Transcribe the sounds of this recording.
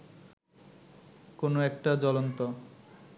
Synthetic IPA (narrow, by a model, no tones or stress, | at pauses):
konoɛk̚ʈad͡ʑɔlont̪o